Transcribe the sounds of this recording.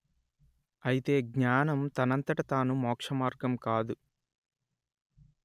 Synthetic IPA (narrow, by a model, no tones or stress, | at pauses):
ɐjit̪e̞ːɡɲaːnɐmt̪ɐnɐnt̪ɐʈɐt̪aːnumɔːkʂɐmaːɾɡɐmkaːd̪u